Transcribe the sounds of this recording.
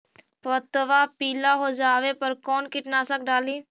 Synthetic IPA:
pət̪ʋapiːlaɦod͡ʒaːʋepɐɾkɔːnkɪʈnaːsək̚ɖaːliː

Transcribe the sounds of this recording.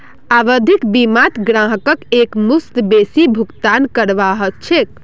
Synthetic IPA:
aʋəd̪ʱikbimat̪ɡɾãɦəkəkekmust̪besibʱukt̪ankəɾʋaɦət͡ʃʰek̚

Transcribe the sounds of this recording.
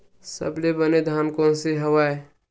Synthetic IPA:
sə̰blebəned̪ʱaːnkõːnseɦəwaːe

